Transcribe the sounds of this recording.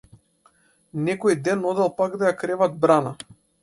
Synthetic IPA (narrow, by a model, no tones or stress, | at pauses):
nɛkɔjd̪ɛnɔd̪ɛlˠpaɡd̪ajakɾɛvad̪̚bɾana